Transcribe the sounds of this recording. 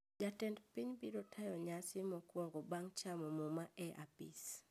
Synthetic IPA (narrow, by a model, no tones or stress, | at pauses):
d͡ʒatɛndpiɲbiɾɔtʰajɔɲasɪmɔkwɔŋɡɔbaŋt͡ʃamɔmomaʔɛʔapḭs